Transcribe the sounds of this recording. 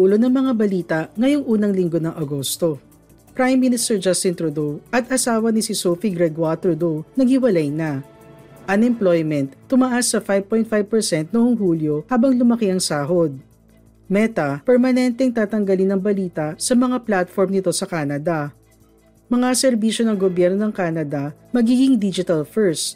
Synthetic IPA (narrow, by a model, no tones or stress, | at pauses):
uːlonɐŋmɐŋabɐliːt̪ɐʔŋɐjo̞ŋʔuːnɐŋlɪŋɡonɐŋʔɐɡo̞st̪o̞ | pɾajmːinɪst̪ɛɹd͡ʒast̪ɪnt̪ɾʊd̪owʔɐt̪ɐsaːwɐnɪsɪsowfiɡɾɛɡwalt̪ɾʊd̪ownɐɡhɪwɐlajnɐ | ʔɐŋɛmplojmɛnt̪ːʊmaʔasːɐfajb̚pojnt̪̚fajv̚pɛɹsɛnt̪̚noʔoŋhuːljo̞haːbɐŋlʊmɐkiɐŋsaːɦod̪̚ | mɛt̪ɐpɛɹmɐnɛnt̪ɛŋt̪aːt̪ɐŋɡɐlɪnːɐŋbɐliːt̪ɐsɐmɐŋaplat̪foɹmnɪt̪o̞sɐkaːnɐd̪ɐ | mɐŋasɛɾbiʃo̞nɐŋɡobjɛɾno̞nɐŋkaːnɐd̪ɐmɐɡiːɡɪŋd̪id͡ʒɪt̪ɐlfɛɹs